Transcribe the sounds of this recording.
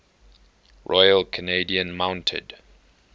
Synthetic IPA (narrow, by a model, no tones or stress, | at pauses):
ɹʔɔjəlkʰəneɪdiə̃nmãʊ̃ntʰɪ̰d̥